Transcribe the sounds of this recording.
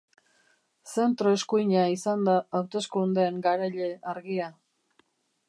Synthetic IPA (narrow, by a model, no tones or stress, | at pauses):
se̞nt̪ɾo̞e̞skujɲaisand̪aːwt̪e̞skund̪eːŋɡaɾaʎe̞aɾɣia